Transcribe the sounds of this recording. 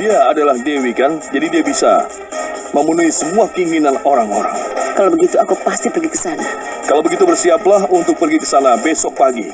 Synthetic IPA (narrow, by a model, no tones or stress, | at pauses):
d̥iaːdalahdewikand͡ʒadidiabisa̰ | məmunuisəmuahkəiŋinanoɾaŋo̰ɾa̰ŋkalabəɡit̪uakupast̪ipərɡikə̥sana | kalawbəɡit̪ubərsiaplaɦunt̪ʊk̚pərɡikəsanabesɔk̚paɡḭ